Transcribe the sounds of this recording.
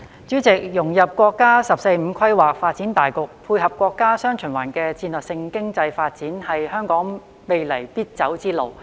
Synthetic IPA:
t͡syː˨˥t͡sɪ˨k̚jʊ˨˩ŋjɐ˨p̚kʷɔː˧kːaː˥sɐ˨p̚se˧jm̩˨˧kʰɐ˥jwaː˨k̚faː˧t̚t͡siː˨˥nt̪aː˨jkʊ˨k̚pʰuː˧jɦɐ˨p̚kʷɔː˧kːaː˥sœː˥ŋt͡ʃʰɵ˨˩nwa̰ː˨˩nkɛː˧t͡siː˧nlœː˨k̚sɪ˧ŋkɪ˥ŋt͡sɐ˧jfaː˧t̚t͡siː˨˥nhɐ˨jhœː˥ŋkɔː˨˥ŋ | me˨jlɐ˨˩jpiː˥t̚t͡sɐ˨˥wt͡siː˥lo˨w

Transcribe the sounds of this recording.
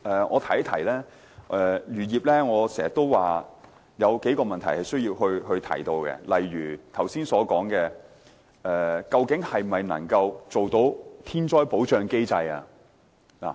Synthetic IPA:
ʔɛː˨˧ŋʔɔ̰ː˨˧t̪ʰɐ˨˩jt̪ʰɐ˨˩jlɛː˥ | ʔɛː˨jyː˨˩jiː˨p̚lɛː˥ŋɔː˨˧sɛː˨˩ŋjɐ˨˩t̪o˥wwaː˨ | jɐ˨˧wke˨˥jkɔː˧mɐ˨nt̪ʰɐ˨˩jhɐ˨jsɵ˥ɥjiː˧wɦɵ˧ɥɦɵ˧ɥt̪ʰɐ̰˨˩jt̪o˧wkɛ̰˧lɐ˨jɥyː˨˩t̪ʰɐ˨˩wsiː˥nsɔː˨˧˥kɔː˨˥ŋkɛ˧ | ɛː˨kɐ˧wkɪ˨˥ŋhɐ˨jmɐ˨jnɐ̰˨˩ŋkɐ˧wt͡so˨wt̪o˨˥wt̪ʰiː˥nt͡ʃɔː˥jpo˨˥wt͡ʃœː˧ŋke˥jt͡sɐ˧jɐ̰˧ | la̰ː˨˩

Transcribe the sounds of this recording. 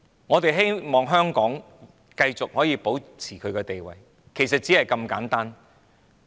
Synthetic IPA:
ŋɔː˨˧t̪e˨jɦe˥jmɔː˨ŋɦœː˥ŋkɔː˨˥ŋ | kɐ˧jt͡sʊ˨k̚hɔː˨˥jiː˧po˨˥wt͡sʰiː˨˩kʰɵ˨˧ɥkɛː˧t̪e˨jwɐ̰˨j | kʰe˨˩jsɐ˨t̚t͡siː˨˥hɐ˨jkɐ˧mkaː˨˥nt̪aː˥n

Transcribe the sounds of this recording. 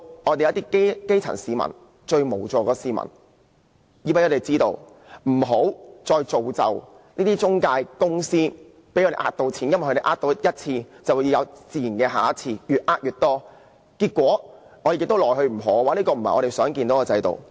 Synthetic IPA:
ŋɔː˨˧t̪e˨jt̪̬iː˥ke˥ke˥jt͡sʰɐ̰˨˩nsiː˨˧mɐ̰˨˩n | t͡ʃɵ˧ɥmo˨˩wt͡sɔː˧kɔː˧siː˨˧mɐ̰˨˩n | ji˨˧pe˦˥ŋɔː˨˧e˨˩jt͡siː˥t̪o˧w | m̩˨˩ɦo˨˥wt͡sɔː˧jt͡so˨wt͡sɐ̰˨w | niː˥t̪i˥t͡sʊ˥ŋkaː˧jkʊ˥ŋsiː˥ | pe˨˥jɔ˧ɾe˨˩ʔa̰ː˧˥t̚t̪o˧˥wt͡sʰiː˨˥jɐ˥nwjʰhɵ˧t̪e˨˩ʔaː˥t̪o˧wjɐ˥t̚t͡sʰiː˧t͡sɐ˨wuː˨˧jɐ˨˧wt͡siː˨˩ji˨˩nkɛː˧ɦaː˨˥t̚t͡sʰiː˧jyː˨˧t̚ʔaː˥t̚jyː˨t̚t̪ɔː˥ | kiː˧t̚kʷːɔː˨˥ | ŋɔː˨˧ɾe˨jɪ˨k̚t̪o˥lɔː˨jhɵ˧ɥm̩˨˩ɦo˨˥˧waː˨˥nliː˥kɔː˧m̩˨˩hɐ˨jɔ˨˧ɾe˨jsœː˨˥ŋkiː˧nt̪o˨˥kɔː˧t͡sɐ˧jt̪o̰˨w

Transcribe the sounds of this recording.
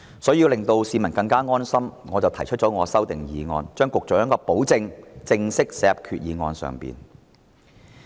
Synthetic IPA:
sɔː˨˥jiː˧wlɪ˨˩ŋt̪o˧wsiː˨˧mɐ˨˩nkɐ˧ŋkaː˥ŋɔː˥nsɐ˥mŋɔː˨˧t͡sɐ˨wt̪ʰɐ˨˩jt͡ʃʰɵ˥t̚t͡ʃɔː˨˥ŋɔː˨˧sɐ˥wt̪ɪ˨ŋjiː˨˧ŋɔ̰ː˧nt͡ʃœː˥ŋkʊ˨k̚t͡sɔː˨˥jɐː˥ŋkɔː˧po˨˥wt͡sɪ˧ŋt͡sɪ˧ŋsɪ˥k̚sɛːɛː˧˥ɐ˨p̚kʰyː˨t̚jiː˨˧ŋɔ̰ː˧nsœ̰ː˨ŋpḭː˨˩n

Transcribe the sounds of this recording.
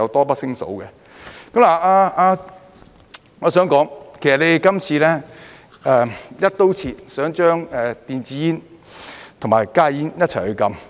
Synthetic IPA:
ɐ˨˧wt̪ɔː˥pɐ˥t̚sɪ˥ŋso̰˨˥wkɛ˧ | kɐ˨˥mlaː˨˩aː˧aː˧ | ŋɔː˨˧sœː˨˥ŋkɔː˨˥ŋkʰe˨˩jsɐ˨˩le˧˨kɐ˥mt͡sʰiː˧lɛː˥ | ʔɛː˧jɐ˥t̚t̪o˥wt͡sʰiː˧tsœː˨˥ŋt͡ʃœː˥ŋɛː˨t̪iː˨nt͡siː˧jiː˥n | t̪ʰʊ˨˩maː˨˩jkaː˥jiː˥njɐ˥t̚t͡sʰɐ˨˩jhɵ˨˧ɥkɐ˧m

